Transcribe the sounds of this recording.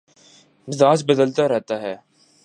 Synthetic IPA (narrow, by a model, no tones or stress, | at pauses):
mɪzaːt͡ʃbəd̪əlt̪aɾɛɦt̪aɦɛː